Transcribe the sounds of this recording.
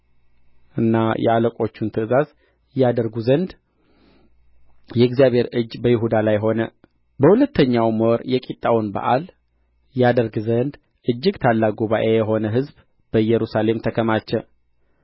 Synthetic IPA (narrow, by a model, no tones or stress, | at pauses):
ʔɨnːajɛ̰aləkʼo̞t͡ʃːunt̪ʰɨɨzaz | jad̪əɾɡuzənd̪ | jɛɡzijaβhe̞ɾɨd͡ʒːbəjɪɦud̪alajɦo̞nə | bəhulət̪ʰːəɲːawmɔɾjɛkʼit̪ʼːawnba̰ʔal | jad̪əɾɡzənd̪ | ʔɨd͡ʒːɪɡt̪ʰalːaɡuβaʔejɛɦo̞nəɦɨzb | b̥əjɛɾusale̞mt̪ʰəkʰəmat͡ʃːɛ